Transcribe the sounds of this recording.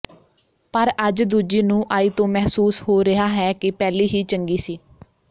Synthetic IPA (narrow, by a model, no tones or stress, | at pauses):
pəɾəd͡ʒd̪uːd͡ʒiːnũːʔaːiːt̪õːmɛɦsuːshoːɾɪɦaːɦɛːkɪpɛːliːɦiːt͡ʃəŋɡiːsiː